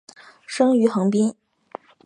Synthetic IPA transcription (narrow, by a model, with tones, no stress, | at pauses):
ʂɤ˥ŋy˧˥xɤ˧˥ŋpi˥n